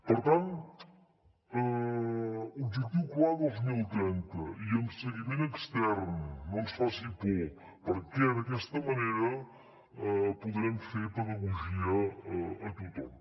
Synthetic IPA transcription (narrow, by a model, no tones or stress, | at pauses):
pəɾt̪ant̪ | ə | ub̚d͡ʒək̚t̪iwklaðolˠzmilˠt̪ɾɛnt̪əiəmsəɣimenəkst̪ɛɾnːonsfasipu | pəɾkɛðəkɛst̪əməneɾə | puðɾɛmfeɾpəðəɣuʒiəː | t̪ut̪ɔm